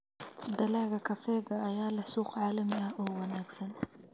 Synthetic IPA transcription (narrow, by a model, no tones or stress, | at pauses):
d̪ɐlaːɣɐkʰɐfɛːɡɐːjaːlɐsuːqʕaːlɐmɪɐhɔːwɐnaːɡsɐn